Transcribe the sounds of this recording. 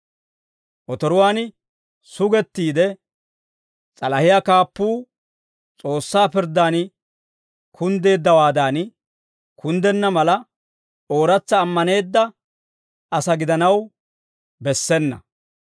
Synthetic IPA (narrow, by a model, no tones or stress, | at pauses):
ʔɔt̪ɔɾʊwaːn | sʊɡɛt̪ːiːd̪ɛ | t͡sʼɐlɐhɪjakaːpːuː | t͡sʼo̞ːsːaːpɪɾd̪ːaːn | kʰʊnd̪e̞ːd̪ːɐwaːd̪aːn | kʰʊnd̪ɛnːɐmɐlɐ | o̞ːɾɐt͡sːɐːmːɐne̞ːd̪ːɐ | ɐsɐɡɪd̪ɐnɐw | bɛsːɛnːɐ̰